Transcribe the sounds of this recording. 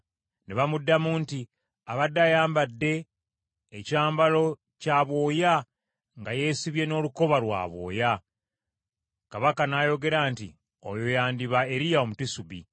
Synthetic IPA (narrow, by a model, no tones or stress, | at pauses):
neβamudːamuːnti | aβadːajaːmbadːe̞ː | caːmbalo̞ | caβo̞ːja | ŋɡaje̞ːsiβje̞no̞ːluko̞βalwa̰ːβo̞̰ːja | kaβakanaːjo̞ɡe̞ɾaːntḭ | o̰jo̞jaːndiβae̞ɾijao̞mutisuβḭ